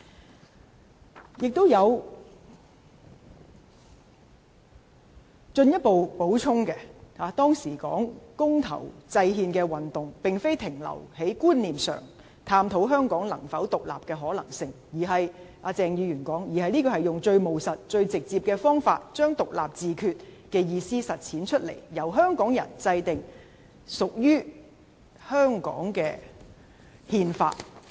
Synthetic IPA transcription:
jɪ˨k̚t̪o˥wjɐ˨˧w | t͡ʃɵ˧njɐ˥t̚po˨wpo˨˥wt͡ʃʰʊ˥ŋkɛ˧haː˨˧t̪ɔː˥ŋsiː˨˩kɔ̰ː˨˥ŋkʊ˥ŋt̪ʰɐ̰˨˩wt͡sɐ˧jɦiː˧nkɛː˧wɐ˨˩nt̪ʊ˨ŋpɪ˨ŋfe˥jt̪ʰɪ˨˩ŋlɐ̰˨˩whe˨˥jkuː˥nliː˨msœ̰ː˨˩ŋ | t̪ʰaː˧mt̪ʰo˨˥wɦœː˥ŋkɔː˨˥ŋlɐ˨˩ŋfɐ˨˥wt̪ʊ˨k̚la̰ː˨p̚kɛː˧ɦɔː˨˥lɐ̰˨˩ŋsɪ˨ŋ | jiː˨˩ɦɐ˨j | ʔaː˧t͡sɛː˧ŋjyː˨˧jyː˨˩nkɔː˨˥ŋjiː˨˩hɐ˨jniː˥kɔː˧hɐ˨˩jʊ˨ŋt͡ʃɵ˧ɥmo˨˩wsɐ˨t̚t͡ʃɵ˧ɥt͡sɪ˨k̚t͡siː˧p̚kɛː˧fɔː˥ŋfaː˧t̚t͡ʃœː˥ŋt̪ʊ˨k̚laː˨p̚t͡siː˨kʰyː˧t̚kɛː˧jiː˧siː˥sɐ˨t̚t͡sʰiː˨˥nt͡ʃʰɵ˥t̚lḛ˨˩jjɐ˨˩wɦœː˥ŋkɔː˨˥ŋjɐ̰˨˩nt͡sɐ˧jt̪ɪ˨ŋ | sʊ˨k̚jyː˥ | hœː˥ŋkɔ̰ː˨˥ŋkɛː˧ | hiː˧nfa̰ː˧t̚

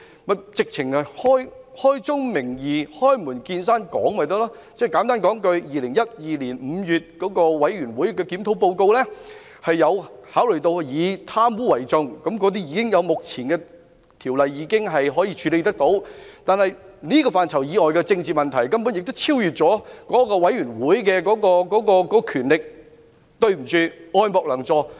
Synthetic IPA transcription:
mɐ˨˧t͡sɪ˨k̚t͡sʰɪ˨˩ŋɐ˨hɔː˥jhɔː˥jt͡sʊ˥ŋmɪ˨˩ŋjiː˨˧hɔː˥jmuː˨˩nkiː˧nsaː˥nkɔ̰ː˨˥ŋmɐ˨jt̪ɐ˥laː˥t͡sɛː˥˩kaː˨˥nt̪aː˥nkɔː˨˥ŋkɵ˧ɥjiː˨˧lɪ˨˩ŋjɐ˥t̚jiː˨liː˨˩nm̩ː˨˧jyː˨˩t̚kɔː˨˥kɔː˧wɐ˨˥jɥyː˨˩nwu˨˥jkɛː˧ki˨˥mt̪ʰo˨˧˥wpo˧wko˧wlɛː˥ | hɐ˨jːɐ˨˧whaː˨˥wlɵ˨˩jt̪o˧wjiː˨˧t̪ʰaː˥mwuː˨˥wɐ˨˩jt͡sʊ˧ŋkɐ˨˥mkɔː˨˥t̪̬iː˥jiː˧kɪ˥ŋjɐ˨˧wmʊ˨k̚t͡sʰiː˨˩nkɛ˧ | t̪ʰiː˨˩wlɐ˨jːiː˨˧kɪ˥ŋɦɐ˨jɦɔː˨˥jiː˧t͡ʃʰyː˨˧le˨˧jt̪ɐ˥k̚t̪o˨˥wt̪aː˨nhɐ˨j | niː˥kɔː˧faː˨nt͡sʰɐ˨˩wjiː˨˧ŋɔː˨jkɛː˧t͡sɪ˧ŋt͡siː˨˩mɐ˨nt̪ʰɐ˨˩jkɐ˥mpuː˨˥njɪ˨k̚t̪o˥wt͡sʰiː˥wjyː˨˩t̚t͡sɔː˨˥kɔː˨˥kɔː˧wɐ˨˥jyː˨˩nwuː˨˥jkɛː˧kɔː˨˥kɔː˧kɔː˨˥kɔː˧kɔː˨˥kɔ˧kʰyː˨˩nlɪ˨k̚ | t̪ɵ˧ɥm̩˨˩t͡syː˨˧ɔː˧jmɔː˨k̚lɐ˨˩ŋt͡sɔː˧˩

